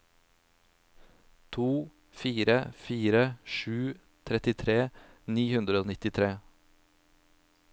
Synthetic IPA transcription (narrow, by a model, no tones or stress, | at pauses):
t̪ʰuː | fiːɾəfiːɾəʃʉː | t̪ʰɾɛt̪ɪt̪ʰɾeːniːhʉnd̪ɾəoːnɪt̪ɪt̪ʰɾeː